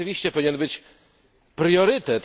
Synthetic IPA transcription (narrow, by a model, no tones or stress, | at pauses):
ɨvʲiɕt͡ɕɛpɔvʲiɲɛnbɘt͡ɕ | pɾjɔɾɘt̪ɛt̪